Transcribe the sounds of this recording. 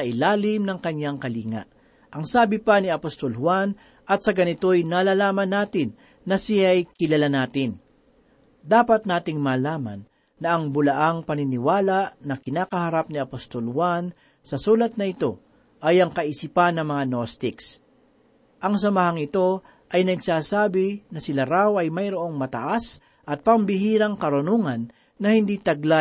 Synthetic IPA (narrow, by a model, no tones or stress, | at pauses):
sɐʔɪlaːlɪmnɐŋkɐɲjaŋkɐliːŋɐ̰ʔ | ʔɐŋsaːbɪpɐnɪɐpost̪olhwan | ʔɐt̪̚sɐɡɐnɪt̪o̞jnalalaːmɐnːaːt̪ɪnː | ɐsɪjajkɪlɐlanaːt̪ɪn | d̪aːpɐt̪̚naːt̪ɪŋmaːlaːmɐ̰nː | ɐʔɐŋbʊlɐʔaŋpɐnɪnɪwaːlaʔnɐkɪnaːkɐhɐɾap̚niɐpost̪olwan | sɐsuːlɐt̪̚nɐɪt̪o̞ | ʔɐjɐŋkɐʔɪsipanːɐŋmɐŋanost̪ɪks | ʔɐŋs̬ɐmɐɦaŋɪt̪o̞ | ʔɐjnɐɡsaːsaːbɪnɐsɪlaɾawɐjmɐjɾoʔo̞ŋmɐt̪ɐʔas | ʔɐt̪̚pɐmbɪɦiːɾɐŋkɐɾʊnuŋɐnː | ɐhɪnd̪iːt̪ɐɡla